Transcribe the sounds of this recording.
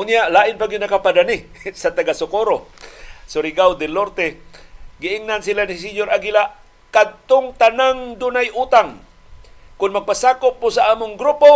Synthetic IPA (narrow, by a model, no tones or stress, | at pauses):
ʔʊnjaʔlaːʔɪnpaɡɪd̪nakapad̪anɪsat̪aɡasʊkoɾosʊɾɪɡawd̪ɛloɾt̪ɛ | ɡɪʔɪŋnansilanɪs̬iɲoɾaɡilaʔ | kad̪̚t̪ʊŋt̪anaŋd̪unajʔuːt̪aŋ | kʊnmaɡ̚pasaːkʊp̚ːʊsaʔaːmʊŋɡɾupo